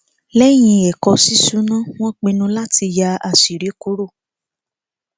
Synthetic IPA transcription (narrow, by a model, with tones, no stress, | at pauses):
lɛ˦j̃ĩ˧ɛ˨kɔ˧si˦su˦nã˦w̃ɔ̃˦k͡pĩ˧nũ˧la˦ti˧ja˧a˨si˨ɾi˨˦ku˨˦ɾo˦˨